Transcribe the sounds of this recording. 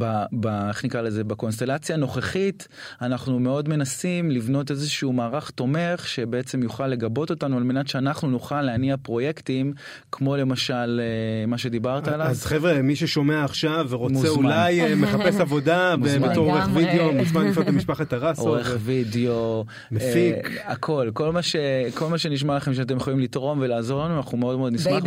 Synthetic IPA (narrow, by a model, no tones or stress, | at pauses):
babaeχnikʁalezebako̞ns̬t̪e̞lat͡sjano̞χeχit | anaχnume̞o̞dme̞nasimlivno̞t̬ezeʃuumaːʁaχt̪o̞me̞χʃebeet͡se̞mjuχalːe̞ɡabo̞t̪o̞t̪anualmenatʃeanaχnunuχalːeaniapʁo̞jektim | kʰmo̞le̞maʃalemaʃe̞d̪ibaʁt̪aaːlavazχevʁemiʃeʃo̞meaːχʃaveʁomueulajmeχapesavo̞d̪amubbmeat̪oʁoʁeχvid̪eomuʃmanifot̪amiʃpaχat̪aʁasʔooʁeχvideo | mefikakʰo̞lko̞lmaʃeko̞lmaʃe̞niʃ̬malaχe̞mʃ̬eat̬ejeχolimlit̪ʁo̞mvelaːzo̞ʁlanuanaχnumeo̞d̪meo̞d̪nismaχ